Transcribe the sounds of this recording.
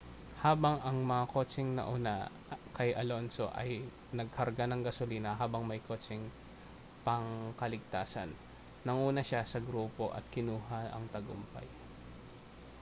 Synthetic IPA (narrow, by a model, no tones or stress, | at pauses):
haːbɐŋʔɐŋmɐŋako̞ːt͡ʃɪŋnɐ̰ʔuːna | kɐjʔɐlo̞nso̰ʔɐ̰j | nɐɡ̚hɐɾɡanɐŋɡɐsoliːnɐɦaːbɐŋmɐjkʰoːt͡ʃɪŋ | pɐŋkɐlɪɡ̚t̪a̰ːsɐ̰nː | ɐŋuːnɐʃasɐɡɾuːpo̞ʔɐ̰t̪̚kɪnuːɦɐnɐ̰ŋt̪ɐɡʊmpa̰j